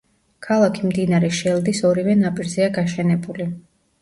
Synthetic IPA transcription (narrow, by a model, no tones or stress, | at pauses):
kʰalˠakʰimd̪inaɾɛʃɛlˠd̪isɔɾivɛnapʼiɾzɛaɡaʃɛnɛbuli